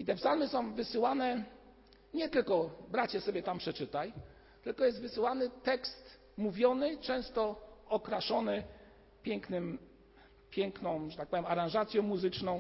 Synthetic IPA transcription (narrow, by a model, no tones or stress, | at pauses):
it̪ɛfzalmɘsɔ̃w̃vɘsɘwanɛ | ɲɛt̪ɘlkɔbɾat͡ɕɛsɔbʲjɛt̪ampʂɛt͡ʂɘt̪aj | t̪ɘlkɔjɛst̪vɘsɘwanɘt̪ɛkst̪ | muvʲjɔnɘt͡ʂɛ̃w̃st̪ɔɔkɾaʂɔnɘ | pʲjɛŋknɘm | pʲjɛŋknɔ̃w̃ʐɛt̪ak̚pɔvʲjɛmaɾãʐat̪sʲjɔ̃muzɘt͡ʂnɔ̃w̃